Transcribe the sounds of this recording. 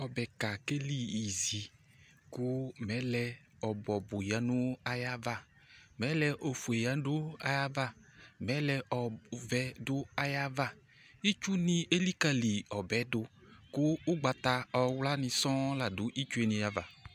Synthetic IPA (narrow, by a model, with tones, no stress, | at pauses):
ɔ˨bɛ˨ka˨ke˦li˦i˨zi˨ | kʊ˦mɛ˨˦lɛ˧ | ɔ˨bɔ˨bʊ˨ja˨˦nʊ˦a˦ja˦va˦˨ | mɛ˨˦lɛ˧ʔo˨fu˨e˨ja˨˦dʊ˦a˨ja˦va˦mɛ˨˦lɛ˧ʔɔ˨vɛ˨dʊ˦a˨ja˦va˦ | i˦t͡ʃu˦nĩ˧˦e˦li˦ka˧li˨ɔ˨bɛ˨˦dʊ˧kʊ˦ʊ˦ɡ͡ba˨˧t̪a˧ɔ˨wla˦nɪ˧sɔ̃˦la˨dʊ˨˦ʔi˦t͡ʃu˦e˨nĩ˧ja˨va˨